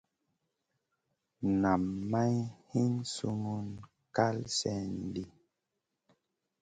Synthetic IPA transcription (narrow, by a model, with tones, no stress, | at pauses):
na˨mːa˦jhi˦nsu˦mu˦n | ka˦lsɛ˦˨n˨di˦